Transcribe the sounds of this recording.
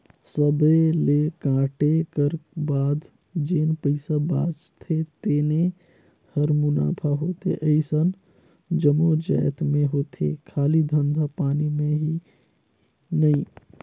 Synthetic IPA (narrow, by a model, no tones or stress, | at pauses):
səbəleːkãːʈekəɾbaːd̪ | d͡ʒeːnpəɪsaba̰ːd͡ʒt̪ʰet̪eːne | həɾmʊna̰ːpʰaɦoːt̪eʔəisən | d͡ʒəmod͡ʒɛːt̪ʰmẽɦoːt̪ʰḛkʰaːlid̪ʱə̃nd̪ʱapaːnimẽɦi | nɐĩː